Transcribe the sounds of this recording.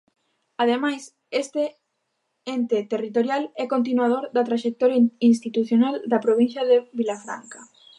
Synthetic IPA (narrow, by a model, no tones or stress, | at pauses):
aðemajs | est̪e | ent̪et̪erit̪oɾjalɛkont̪̬inwað̞oɾðat̪ɾaʃek̚t̪oɾjains̬t̪it̪uθjonald̪apɾoβĩn̟θjaðeβilafɾa̰ŋka